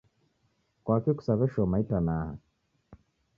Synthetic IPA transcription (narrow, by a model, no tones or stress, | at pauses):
kwakiku̥saβɛʃɔmaitanaːha̰